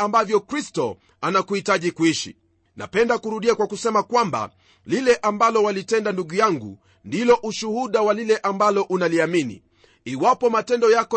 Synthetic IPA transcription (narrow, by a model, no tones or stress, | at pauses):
ambavjɔkɾistɔ | anakuhitaʄikuiʃḭ | na̰pɛndakuɾuɗiakwakusɛmakwamba̰ | lilɛʔambalɔwalitɛndanduɠujaŋɡu | ndilɔʔuʃuhuɗawalilɛʔambalɔʔunaliaminḭ | iwapɔmatɛndɔjakɔ